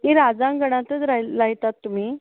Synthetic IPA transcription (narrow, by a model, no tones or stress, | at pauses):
kĩɾad͡zãŋɡəɽ̃ãt̪ət͡sɾaɾaɦit̪at̪ːum̤iː